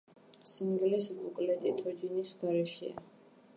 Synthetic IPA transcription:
siŋɡlɛsbukʼlɛt̪ʼit̪ʰɔd͡ʒinisɡaɾɛʃɛ̰a̰

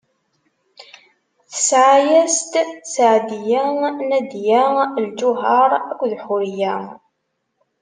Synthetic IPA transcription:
θə̥sʕajæst̪sʕd̪jænæd̪jæld͡ʒʊɦɑɾˤækʷːðħʊɾjæ

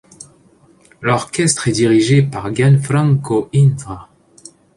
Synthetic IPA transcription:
lɔʁkɛst̪χɛd̪iʁiʒepaʁɡanfɾɑ̃ŋkoindʁa

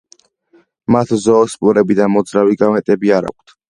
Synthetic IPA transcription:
mat̪ʰzɔːspʼuɾɛbid̪amɔd̪zɾaviɡamɛt̪ʼɛbiaɾa̰k̚ʷʰt̪ʰ

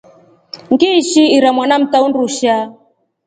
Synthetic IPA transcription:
ŋɡiʃiiɾamwanam̩taunduʃa

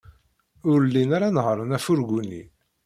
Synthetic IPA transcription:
ʊɾlːinaɾanəʁɾˤənæfʊɾɡunːḭ

